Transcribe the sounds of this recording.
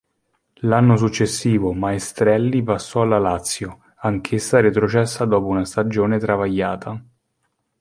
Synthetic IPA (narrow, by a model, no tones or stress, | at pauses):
lanːos̬ut͡ʃːesːiːvomaest̪ɾɛlːipasːɔalalat̪sːjo | aŋk̟ʰesːaɾet̪ɾot͡ʃɛsːad̪ɔːpounast̪ad͡ʒoːnet̪ɾavajːaːt̪ʰa